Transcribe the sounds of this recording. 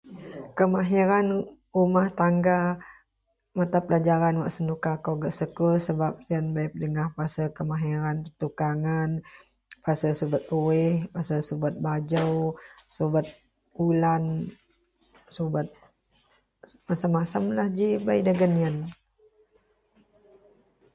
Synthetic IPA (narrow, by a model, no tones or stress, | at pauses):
kəmaɦiɾanɾumaht̪aŋɡa | mat̪apəlad͡ʒaɾanwaʔsənukakoɡaʔsəkəsəbap̚iənbaip̚dəŋahpasəkəmaɦiɾanpət̪ukaŋan | pasəsubət̪̚uɪhpasəsubət̪̚bad͡ʒəwsubət̪̚ | ulan | subət̪̚ | masəmːasəmlahd͡ʒibaidaɡəniən